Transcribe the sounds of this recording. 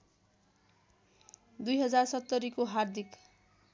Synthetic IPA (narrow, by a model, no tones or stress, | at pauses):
d̪ujɦʌd͡zarsʌt̪ːʌɾikoɦard̪ʱik